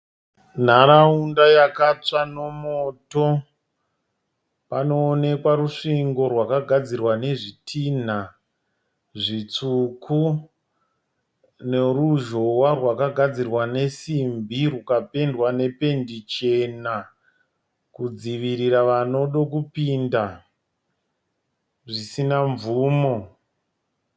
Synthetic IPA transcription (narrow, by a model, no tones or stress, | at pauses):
n̤aɾaundajakat͡ʂano̞moːto̞ | pano̞ːne̞kwaɾuʂiŋɡo̞rwakaɡʱad͡zirwane̞ʐitʰin̤a | ʐit͡suku | ne̞ruʒo̞warwakaɡʱad͡zirwane̞simbʱirukape̞ndwane̞pe̞ndit͡ʃe̞na | kud͡ziʋiɾiraʋano̞ɗo̞kupinda | ʐisinaɱvuːmo̞